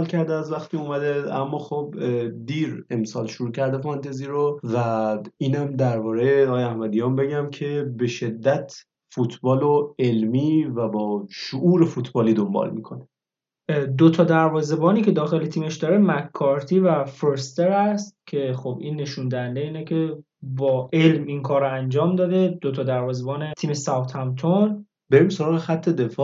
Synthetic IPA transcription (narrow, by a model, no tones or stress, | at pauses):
lcʰæɾd̪eæzvæxt̪ʰiumæd̪eæ̰mːɒːxobd̪iːɾe̞msɒːlʃuɾuːcʰæɾd̪efɒnt̪ʰeziːɾovæiːnæmd̪æɾbɒːɾeɒɣɒjeæhmæd̪ijɒːmbe̞ɟæmcʰe̞be̞ʃe̞d̪ːæt̪ʰ | fut̪ʰbɒːloelmiːvæbɒːʃoʔuːɾe̞fut̪ʰbɒːliːd̪o̞mbɒ̰lmḭkʰone | d̪ot̪ʰɒːd̪æɾvɒːze̞bɒːniːcʰe̞d̪ɒːxe̞le̞t̪ʰiːme̞ʃd̪ɒːɾemækʰːɒːɾt̪ʰiːvæfeɾst̪eɾæst̪̚cʰe̞xobiːnːe̞ʃund̪æænd̪eiːnecʰe̞ | bɒːʔe̞lmiŋkʰɒːɾɔænd͡ʒɒːmd̪ɒːd̪ed̪ot̪ʰɒːd̪æɾvɒːzebɒːnet̪ʰiːme̞sæwt̪ʰhæmt̪ʰon | b̥eɾiːmso̞ɾɒːɣexæt̪ʰːed̪e̞fɒː